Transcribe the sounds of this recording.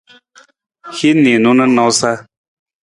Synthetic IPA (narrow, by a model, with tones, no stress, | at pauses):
hi˦nĩ˨nũ˦nə˦nã˨˦wsa˦